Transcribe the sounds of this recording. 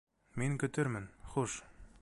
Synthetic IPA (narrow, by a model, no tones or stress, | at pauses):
miŋkɵ̆t̪ɘɾmɘnχuʃ